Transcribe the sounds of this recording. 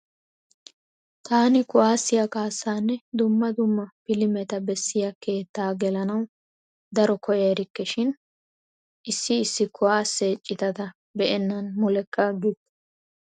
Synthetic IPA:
t̪aːnɪkʊwaːsːɪjɐkaːsːaːnːɛd̪ʊmːɐd̪ʊmːɐpɪlɪmɛt̪ɐbɛsːɪjake̞ːt̪ːaːɡɛlɐnɐw | d̪ɐɾɔkɔjɐɾɪkːɛʃɪn | ʔɪsːɪːsːɪkʰʊwaːsːeːt͡ʃʼːɪt̪ɐt̪ɐ | bɛʔɛnːɐnmʊlɛkːɐɡɪt̪

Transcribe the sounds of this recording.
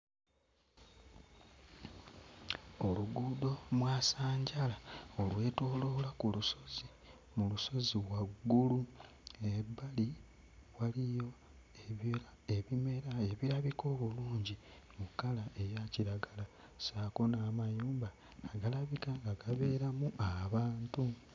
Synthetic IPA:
o̞luɡuːdo̞mwaːsaːɲɟalao̞lwe̞ːtoːlo̞lakuluso̞zi | muluso̞ziwaɡːulu | ebali | walijo̞ | e | eβime̞ɾaeβiɾaβiko̞ːβuluːɲɟi | mukalaʔe̞jaciɾaɡala | saːko̞namajuːmbaː | ɡalaβikaŋɡaɡaβe̞ːɾamuʔaβaːntu

